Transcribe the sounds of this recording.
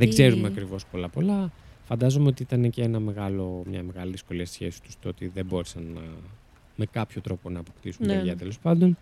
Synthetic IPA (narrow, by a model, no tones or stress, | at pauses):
ðeɡze̞ɾumeɐkɾivo̞spo̞lɐpo̞lɐfɐnd̪ɐzo̞meo̞t̪iit̪ɐneceenɐme̞ɣɐlo̞mɲɐme̞ɣɐliðisko̞liɐst̪sçe̞si̥t̪u̥st̪oot̪iðebo̞ɾesɐnːɐ̰ | me̞kɐpço̞t̪ɾo̞po̞nɐːpo̞kt̪isuneʝɐt̪e̞lo̞spɐnd̪o̞n